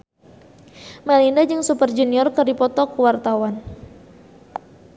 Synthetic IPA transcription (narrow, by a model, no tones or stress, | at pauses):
malindad͡ʒɨŋsupərd͡ʒuniɔrkərdipɔt̪ɔkuwart̪awan